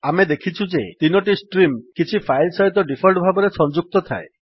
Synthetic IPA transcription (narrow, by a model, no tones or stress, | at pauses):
amed̪ekʰit͡ʃʰud͡ʒet̪inɔʈisʈɾimkit͡ʃʰipʰajlsɔɦit̪ɔɖipʰɔlʈbʱabɔɾesɔnd͡ʒuk̚t̪ɔt̪ʰa̰ḛ